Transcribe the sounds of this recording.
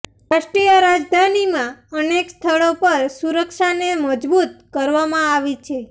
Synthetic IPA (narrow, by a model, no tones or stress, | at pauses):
ɾaʃʈɾijəɾad͡ʒd̪ʱanimãənekst̪ʰəɭopəɾsuɾəkʃaneməd͡ʒbut̪̚kəɾʋamãaʋit͡ʃʰe